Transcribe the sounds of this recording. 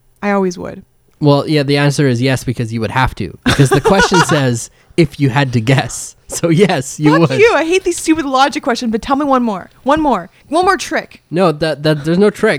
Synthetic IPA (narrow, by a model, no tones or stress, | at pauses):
ʔaɪɔlˠwizwʊ̰d̥̚ | wɛlˠjæðiæ̃nsə˞ɨzjɛsb̥ɨkʰʌzjɨwɨd̚hæftʰʉ̰b̥ɨkʰʌzðɨkʰw̥ɛst͡ʃɨ̃n̩sɛz | ɪfjɨɨd̚tɨɡɛsːoʊjɛsjɨwəʉaɪɦeɪt̪̚ðistʉpɨðlɑd͡ʒɨkʰw̥ɛst͡ʃɨ̃nbʌtʰɛlˠmiwʌ̃nmɔɹwʌ̃nmɔɹ | wʌ̃nmɔɹtʰɹ̥ɪknoʊðɨðɨt̚ðə˞znoʊtʰɹ̥ɪk̚